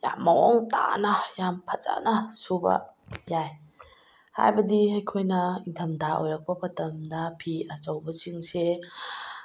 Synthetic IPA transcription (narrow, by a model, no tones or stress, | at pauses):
ja̰mːɐɔŋta̰nɐjampʰɐza̰nɐsubɐ̰jaj | ha̰jbɐdihɐjkʰojnɐintʰɐmdaʔo̰jɾɐk̚pɐmɐtɐmdɐpʰiɐt͡ʃɐwbɐsiŋse